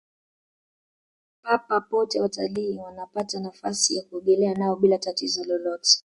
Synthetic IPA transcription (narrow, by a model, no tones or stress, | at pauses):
papapɔtɛwataliːwanapatanafasijakuɛɠɛlɛanaɔɓilatatizɔlɔlɔtɛ̥